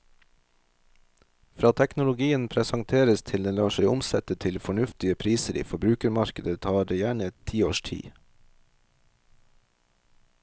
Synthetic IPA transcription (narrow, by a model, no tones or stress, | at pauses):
fɾɑːt̪ʰɛknʊlʊɡiːənpʰɾɛsɑŋt̪ʰeːɾəst̪ʰɪld̪ɛnlɑːʃæɪʊmsɛt̪ət̪ʰɪlfɔɳʉft̪ɪəpʰɾiːsəɾʔḭːfɔbɾʉːkəɾmɑɾkəd̪ət̪ʰɑːɖeːjæːɳət̪ʰiːo̰ːʃtʰḭː